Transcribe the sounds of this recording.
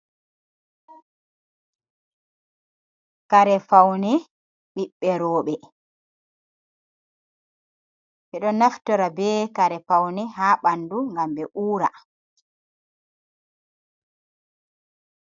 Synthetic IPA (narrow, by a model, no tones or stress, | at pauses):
kaɾɛfawnɛ | ɓiɓːɛɾɔːɓɛ | ɓɛɗɔnaftɔɾabɛkaɾɛfawnɛɦaːɓanduŋɡamɓɛʔuːɾa̰